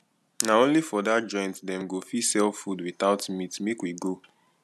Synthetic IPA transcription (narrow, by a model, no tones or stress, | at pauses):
naõnlifɔdatd͡ʒɔ̃ɪ̃ntdɛ̃mɡofisɛlfudwiθaʊtmitmekwiɡo